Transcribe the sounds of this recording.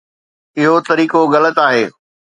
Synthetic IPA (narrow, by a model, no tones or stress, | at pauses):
ɪɦot̪ɐɾiːkoɣɐlət̪aːɦeː